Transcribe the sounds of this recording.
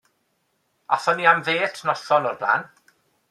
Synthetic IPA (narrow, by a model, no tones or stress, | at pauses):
aθɔniamveːtʰnɔɬɔnɔrbla̰ːn